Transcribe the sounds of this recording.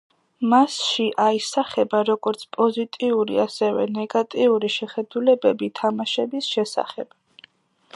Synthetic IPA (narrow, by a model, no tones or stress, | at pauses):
masʃiʔaisaχɛbaɾɔɡɔɾt̪sʰpʼɔzit̪ʼiuɾḭasɛvɛ̰nɛɡat̪ʼiuɾiʃɛχɛd̪ulɛbɛbit̪ʰamaʃɛbisʃɛsa̰χɛ̰b̥